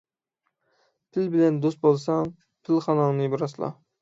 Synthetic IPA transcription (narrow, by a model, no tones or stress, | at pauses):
pʰɪlbɪlɛnd̪ost̪̚bolˠsɑŋ | pʰɪlχɑnɑŋnɨbɨɾɑslˠɑ̰